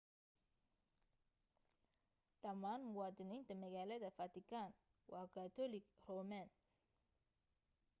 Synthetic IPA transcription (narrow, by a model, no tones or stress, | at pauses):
ɖɐmaːnmʊwɑːd̪ɪniːnt̪ʰɐmɐɣaːlɐðɐfɐt̪ʰɪkʰaːn | wɑːkʰat̪ʰɔlɪɡrɔːmaːn